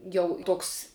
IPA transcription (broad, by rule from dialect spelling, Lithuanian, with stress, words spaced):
ˈjɛʊ ˈtoːks